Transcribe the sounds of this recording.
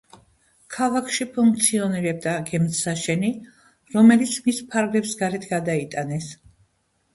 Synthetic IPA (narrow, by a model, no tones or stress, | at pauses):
kʰavakʰʃipʰuŋk̚ʰt̪sʰiɔniɾɛb̚d̪aɡɛmt̪saʃɛni | ɾɔmɛlit̪sʰmispʰaɾɡlɛpsɡaɾɛt̪ʰɡad̪ait̪ʼanɛs